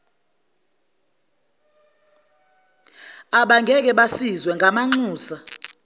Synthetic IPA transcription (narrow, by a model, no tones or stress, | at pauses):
aɓaŋɡʱɛk̬ɛɓasizwɛŋɡʱamaŋ͡ǀuːsa